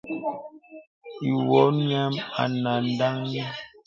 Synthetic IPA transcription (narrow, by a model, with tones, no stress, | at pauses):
i˨wɔ˨˦ɲɛ˦ma̰˨na˨n˦da˦ŋɲɛ˦